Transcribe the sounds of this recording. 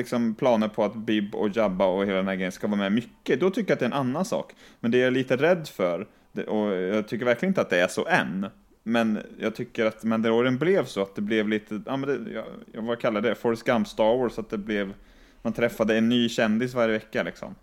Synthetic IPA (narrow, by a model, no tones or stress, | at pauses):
lɪksɔmpʰlɑːnəɾpʰɔat̪bɪbːɔ̰jabːaɔheːlad̪ɛnhæɾɡɾɛjənskavɑːɾmɛmʏkːəd̪ɔt̪ʰʏkːəjat̪̚d̪ɛnanːansɑ̰ːkmɛnd̪ɛjaliːt̪əɾɛd̪ːfœɾ | d̪ɛʔɔjɑːɡt̪ʰʏkːəɾvæɾklɪnɪnt̪at̪̚d̪ɛæʂɔ̰ʔɛ̰n | mɛnjɑ̰ɡ̚t̪ʰʏkːəɾat̪mɛnd̪əɾoɾənblɛvsɔat̪̚d̪ɛblɛvliːt̪ʰəʔɑ̰ːmɛnd̪ɛj̰jvakʰalːad̪əd̪ɛfɔɾskampst̪ɑɾwɔːsat̪̚d̪ɛblɛv | mant̪ʰɾɛfːad̪əɛnːyːɕɛnd̪ɪsvaɾjəvɛkːalɪksɔ̰m